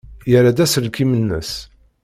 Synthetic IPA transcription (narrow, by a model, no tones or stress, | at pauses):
jəɾad̪æsəlkimənːə̰s